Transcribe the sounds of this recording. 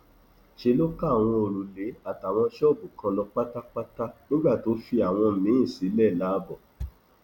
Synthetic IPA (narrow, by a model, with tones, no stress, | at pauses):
ʃe˧lo˦ka˦˨w̃ɔ̃˧o˨ɾu˨le˨˦a˦˨ta˨w̃ɔ̃˧ʃɔ˦˨bu˨kã˧lɔ˧k͡pa˦ta˦k͡pa˦ta˦nĩ˦ɡ͡ba˦˨to˨˦fi˧a˨w̃ɔ̃˧mĩ˨˦˨si˨˦lɛ˦˨la˨˦bɔ˦˨